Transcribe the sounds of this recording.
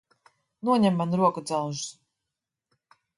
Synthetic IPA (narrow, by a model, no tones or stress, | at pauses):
nuɔɲɛmːanuɾuɔkud̪zawʒ